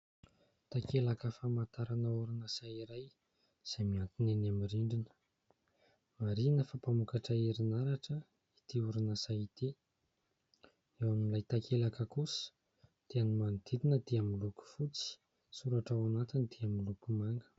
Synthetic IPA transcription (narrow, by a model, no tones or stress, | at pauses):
t̪akʰelakəfamat̪aɾanəuɾunasaiɾaj | z̥ajmiant̪inenamiriɳɖ͡ʐinə̥ | maɾinəfapamukaʈ͡ʂəiɾinaɾaʈ͡ʂə | it̪iuɾunasajit̪i | ewamimilajt̪akʰelakəkusə̥ | d̪̥eanimand̪̥id̪inəd̪̥iamiluku̥fut͡si̥ | suɾaʈ͡ʂawanat̪ind̪̥iamilukumaŋɡə̥